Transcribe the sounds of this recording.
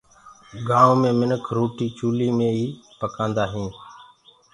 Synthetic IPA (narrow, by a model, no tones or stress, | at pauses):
ɡaːõːmẽːmɪnəkʰɾoːʈiːt͡ʃuːliːmẽːiːpəkãːnd̪aːɦĩː